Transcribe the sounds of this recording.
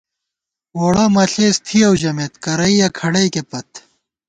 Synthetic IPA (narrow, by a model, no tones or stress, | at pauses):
woːɽɐmɐɬeːst̪ʰiɐwʑɐmet̪kɐɾɐijɐkʰɐɽɐikepɐt̪